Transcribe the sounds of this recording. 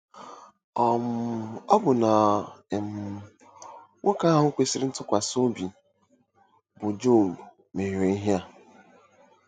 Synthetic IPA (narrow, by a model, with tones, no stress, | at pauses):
ɔ˨m˨ɔ˦bʊ˨na˨m̩˨ | wʔo˦ka˦ɦʊ˨˦kʷe˨si˦ɾɪ˦n̩˦tʊ˦kʷa˨so˦bi˨ | bʊ˨d͡ʒo˦˨b | me˨e˨i˦ɦja˦˨